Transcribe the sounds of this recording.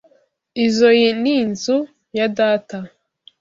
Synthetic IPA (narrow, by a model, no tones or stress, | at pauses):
izo̞jeninzu | jadaːta